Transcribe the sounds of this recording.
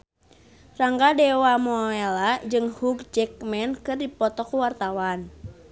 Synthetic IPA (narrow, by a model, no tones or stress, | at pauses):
raŋɡadɛwamɔelad͡ʒɨŋhuɡ̚d͡ʒɛk̚mɛnkɨrdipɔt̪ɔkuwart̪awan